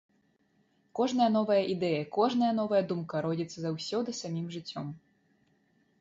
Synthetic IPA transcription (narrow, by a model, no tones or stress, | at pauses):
kɔʐn̪ɐjɐnɔvɐjɐʔid̪ɛjɐkɔʐnɐjɐnɔvɐjɐd̪umkɐɾɔd͡zʲit̪sːɐzawsʲɔd̪ɨsamʲimʐɨt͡sʲːɔm